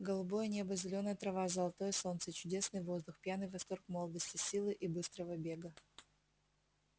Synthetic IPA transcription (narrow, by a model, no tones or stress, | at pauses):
ɡəlˠʊbo̞jənʲebəzʲɪlʲonəjət̪ɾɐvazɐlˠɐt̪o̞jəso̞nt̪sət͡ɕʊdʲe̞snɨjvo̞zd̪ʊxpʲjanɨjvɐst̪o̞rkmolˠd̪əsʲtʲɪsʲilˠɨʔibɨst̪ɾəvəbʲe̞ɡə